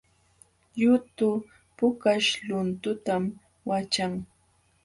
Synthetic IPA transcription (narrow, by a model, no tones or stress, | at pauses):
ʎʊt̪ʊ | pʊkaʃʎʊnt̪ʊt̪am | wat͡ʃaŋ